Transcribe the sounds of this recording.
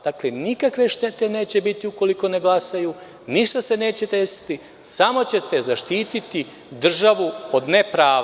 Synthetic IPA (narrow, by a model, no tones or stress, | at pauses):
d̪̥aklenikakʋe̞ʃt̪e̞t̪e̞ne̞ːt͡ɕe̞bit̪iuko̞liko̞ne̞ɡlasajuː | niʃt̪ase̞ne̞ːt͡ɕe̞d̪e̞si̥t̪i | samo̞t͡ɕe̞t̪e̞zaʃt̪iːt̪it̪i | d̪r̩ʒaʋuo̞d̪nepɾaːʋ